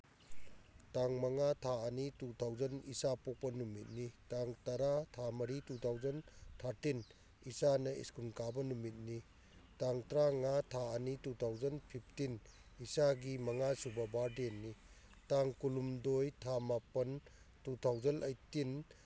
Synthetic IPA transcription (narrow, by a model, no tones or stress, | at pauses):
taŋmɐŋatʰaɐnitutʰawzɐnisapok̚pɐnumit̚nitaŋtɐɾatʰamɐɾitutʰawzɐntʰaɾtin | isanɐḭskunkabɐnumit̚ni | taŋtɾaŋatʰaɐnitutʰawd͡ʒɐnpʰip̚ʰtin | isaɡimɐŋasubɐbaɾdenːi | taŋkulumdojtʰamapɐn | tutʰawzɐnʔɐjtin